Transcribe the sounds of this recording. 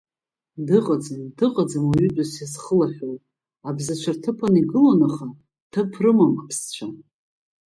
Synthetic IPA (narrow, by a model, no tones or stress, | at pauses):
dɨqʼad͡zɨndɨqʼad͡zamaɥʏdʷʼasjasχəlaħʲʷᶣowtʼ | abzat͡ʃʷʰartʰɨpʰaniɡɨlonaχa | tʰɨpʰrɨmampʰst͡ɕʷʰa